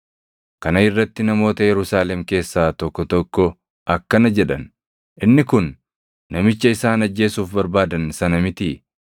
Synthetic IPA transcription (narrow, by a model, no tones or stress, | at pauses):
kɐnɐɪrːɐt̪ːɪnɐmo̞ːt̪ɐjɛɾʊsaːlɛmke̞ːsːaːt̪ɔkːɔt̪ɔkːɔ | ʔɐkːɐnɐd͡ʒɛᶑɐn | ʔɪnːɪkʊnː | ɐmɪt͡ʃːɐɪsaːnɐd͡ʒːe̞ːsuːfbɐɾbaːd̪ɐnsɐnɐmɪt̪ɪ